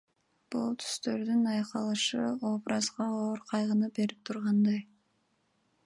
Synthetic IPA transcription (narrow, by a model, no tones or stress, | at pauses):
b̥ulˠt̪ʰy̥st̪ø̞ɾd̪ynɑjqɑlˠɯʃɯobɾʔɑzʁɑoːɾqʰɑjʁɯnɯbe̞ɾip̚t̪ʰuɾʁɑnd̪ɑj